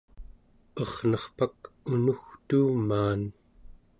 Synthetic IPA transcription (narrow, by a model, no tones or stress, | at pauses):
ʌʁnʌχpakunuxt̪uːmaːn